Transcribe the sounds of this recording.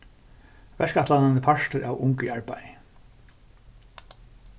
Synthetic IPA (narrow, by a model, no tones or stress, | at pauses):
vɛskat̪lananːəpʰaʃt̪əɾʔa̰wʊŋkʏaɹpaj